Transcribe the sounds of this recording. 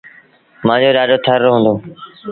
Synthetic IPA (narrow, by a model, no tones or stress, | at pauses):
mãːd͡ʒoːɗaːɖoːt̪ʰəɾːoɦnd̪oː